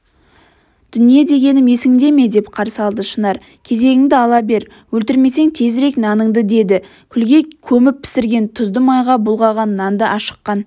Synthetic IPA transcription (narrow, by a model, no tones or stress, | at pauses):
d̪̥ʏnije̞d̪e̞ɡʲe̞nɪme̞sɪŋd̪e̞me̞d̪e̞pqʰɑɾsəɑlˠd̪əʃənɑɾ | kʲʰe̞ze̞ɡʲɪŋd̪ɪɑlˠɑbe̞ɾ | wɵlt̪ɪɾme̞se̞ŋt̪ʰe̞zɾe̞knɑnəŋd̪əd̪e̞d̪ɪ | kʲʰʏlɡʲe̞kʲʰɵmɪp̚pʰːɪ̥sɪɾɡʲe̞nt̪ʰʊzd̪əmɑjʁɑbʊlˠʁɑʁɑnːɑnd̪əʔɑʃə̥qːɑn